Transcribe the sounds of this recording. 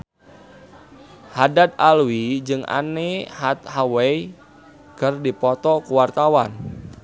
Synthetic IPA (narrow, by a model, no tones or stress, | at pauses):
hadat̪̚alwid͡ʒɨŋa̰nehat̪̚hawɛi | kərdipɔt̪ɔkuwart̪awan